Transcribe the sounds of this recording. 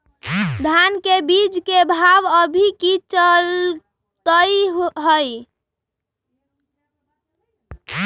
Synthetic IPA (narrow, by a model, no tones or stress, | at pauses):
d̪ʱankebid͡ʒkebʱabəbʱikit͡ʃəl | t̪əjɦəj